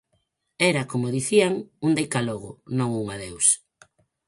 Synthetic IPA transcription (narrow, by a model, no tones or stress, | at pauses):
ɛɾakomoðiθiaŋund̪ejkaloɣ̞ʊnõŋuŋaðews